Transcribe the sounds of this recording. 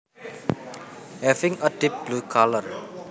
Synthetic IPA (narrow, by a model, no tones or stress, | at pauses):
hɛvĩŋədip̚blukʰalər